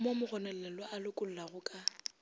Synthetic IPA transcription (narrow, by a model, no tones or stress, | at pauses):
momʊɣɔnɛlɛlwɔʔalʊkʼʊl̩laɣʊkʼa